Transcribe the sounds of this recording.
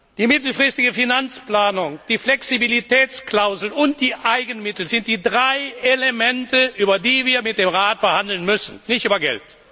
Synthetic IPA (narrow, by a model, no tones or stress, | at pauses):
d̥iːmɪtl̩fʁ̥ɪstɪɡəfinant͡splaːnʊŋd̥iːflɛksibilitɛːt͡sklaʊzl̩ʊnt̚d̥iːʔaɪɡənmɪtl̩zɪnt̚d̥iːdʁaɪʔelemɛntəʔyːbɐdiːviːɐmɪt̚d̥eːmʁaːtfɛɐhandl̩nmʏsn̩nɪçtyːbɐɡɛ̰lt